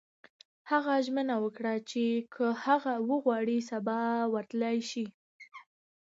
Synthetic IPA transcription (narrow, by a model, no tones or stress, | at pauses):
haɣaʒmənawəkɽat͡ʃekʰəhaɣawəɣwɑɽisabɑwəɾt̪lajʃi